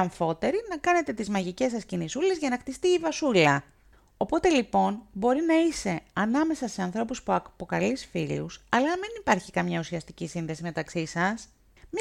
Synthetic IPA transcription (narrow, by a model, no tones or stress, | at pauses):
ɐɱfo̞t̪e̞ɾinɐkɐne̞t̪e̞t̪izmɐʝice̞sɐscinisule̞zʝɐnɐxt̪ist̪iːvɐsulɐ | o̞po̞t̪e̞lipo̞nbo̞ɾinɐise̞ɐnɐme̞sɐse̞ɐnθɾo̞puspuɐkpo̞kɐlisfilusɐlɐmenipɐɾçikɐmɲɐusiɐst̪icisinðe̞sime̞t̪ɐksisɐs | m